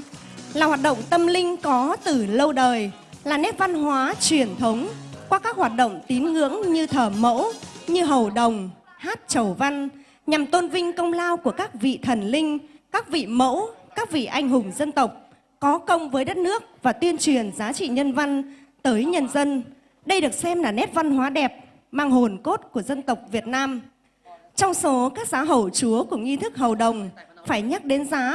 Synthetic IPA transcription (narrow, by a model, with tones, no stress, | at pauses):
laː˨˩hwaː˨˩t̚ɗə̰˧˨wŋ͡mt̪ə˧mlï˧ŋ̟kɔ˨˦t̪ɨ˨˩lə˧wɗəː˨˩j | laː˨˩nɛ˦˥p̚va˧nɦwaː˨˦t͡ɕwi˨˩ənt̪ʰə˨˦wŋ͡mkwaː˧kaː˦˥k̚hwaː˨˩t̚ɗə̰˧˨wŋ͡mt̪i˨˦nŋɨ̰˧˥əŋɲɨ˧t̪ʰəː˧˩mə̰˧˥wɲɨ˧ɦə˨˩wɗə˨˩wŋ͡m | haː˦˥t̚t͡ɕə˨˩wva˧n | ɲa˨˩mt̪o˧nvï˧ŋ̟kə˧wŋ͡mlaː˧wku˧˩əkaː˦˥k̚vḭ˧˨t̪ʰə˨˩nlï˧ŋ̟kaː˦˥k̚vḭ˧˨mə̰˧˥wkaː˦˥k̚vḭ˧˨ʔa˧jŋ̟ɦʊ˨˩ŋ͡mzə˧nt̪ə˨˩wk͡p̚ | kɔ˨˦kə˧wŋ͡mvəː˨˦jɗə˦˥t̚nɨ˦˥ək̚vaː˨˩t̪wi˧ənt͡ɕwi˨˩ənzaː˨˦t͡ɕḭ˧˨ɲə˧nva˧n | t̪əː˨˦jɲə˧nzə˧n | ɗə˧jɗɨ˨˩ək̚sɛ˧mlaː˨˩nɛ˦˥t̚va˧nɦwaː˨˦ɗɛ˨˩p̚ | maː˧ŋɦo˨˩nko˦˥t̚ku˧˩əzə˧nt̪ə˨˩wk͡p̚vi˨˩ət̚naː˧m | t͡ɕɔ˧wŋ͡mso˨˦kaː˦˥k̚zaː˨˦ɦə˧˩wt͡ɕu˨˦əku˧˩əŋi˧t̪ʰɨ˦˥k̚ɦə˨˩wɗə˨˩wŋ͡mfaː˧˩jɲa˦˥k̚ɗe˨˦nzaː˨˦